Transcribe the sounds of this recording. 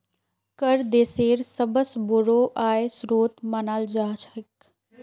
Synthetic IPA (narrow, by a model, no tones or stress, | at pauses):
kəɾd̪eːseːɾsəbəsboɾoːʔaːesɾoːt̪maːnaːld͡ʒaːt͡ʃɪk